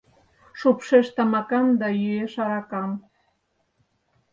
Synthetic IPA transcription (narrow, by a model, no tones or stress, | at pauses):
ʃupʃeʃt̪ɑmɑkɑmd̪ɑjyeʃɑɾɑkɑm